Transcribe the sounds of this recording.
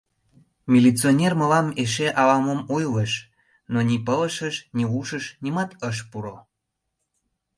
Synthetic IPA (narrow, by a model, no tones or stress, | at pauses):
mʲilit͡sionʲerməlɑmeʃ̬eʔɑlɑmomujləʃ | nonʲipələʃəʃniuʃəʃnimɑt̪əʃ̬puɾo